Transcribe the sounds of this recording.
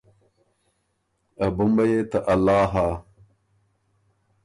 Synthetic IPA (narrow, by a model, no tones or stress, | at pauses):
ɐbumbɐjeːt̪ɐʔɐlːaːɦaː